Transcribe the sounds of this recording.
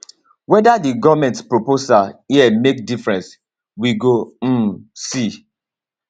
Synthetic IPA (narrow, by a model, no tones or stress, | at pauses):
wɛdadiɡɔvmɛ̃ntspɹoposahiɛmek̚difɹɛ̃ns | wiɡom̩si